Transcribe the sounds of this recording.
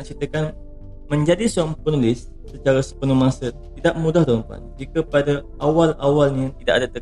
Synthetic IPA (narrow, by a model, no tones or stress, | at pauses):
aʔt͡ʃit̪əkan | mə̃ɲd͡ʒadisoaŋpənulɪsːət͡ʃaɾasə̥pənəmãsət̪idaʔmũdahdaləmpa̰nd͡ʒikəpadaʔawalawalɲãt̪idaʔadat̪ə